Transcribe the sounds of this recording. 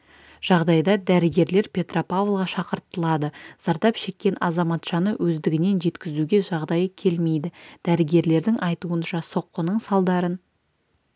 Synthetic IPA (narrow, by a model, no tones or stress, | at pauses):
ʒ̥ɑʁd̪ɑjd̪ɑd̪æɾɪɡʲe̞ɾle̞ɾpʲʰe̞t̪ropavlˠʁɑʃɑqəɾt̪ːəlˠɑd̪əz̥ɑɾd̪ɑpʃe̞kʲːe̞nɑzɑmɑt̪ʒ̥ɑnəwʔɵzd̪ɪɡʲɪne̞nʒe̞t̪kʲɪzuɡʲe̞ʒɑʁd̪ɑjəkʲʰe̞lme̞jd̪ɪd̪̥æɾɪɡʲe̞ɾle̞ɾd̪ɪŋʔɑjt̪uənʃɑso̞qːənəɴsɑlˠd̪ɑɾən